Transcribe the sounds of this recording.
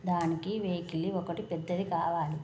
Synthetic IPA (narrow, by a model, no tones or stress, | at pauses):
d̪aːnikiʋeːkiliɔkɐʈipɛd̪ːɐd̪ikaːʋaːli